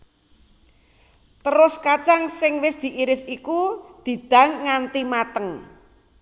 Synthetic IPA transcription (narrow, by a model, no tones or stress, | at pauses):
t̪əɾʊskat͡ʃaŋsɪŋwɪsd̪̥i̤ʔiɾɪsikud̪̥i̤d̪̥ä̤ŋːant̪imat̪əŋ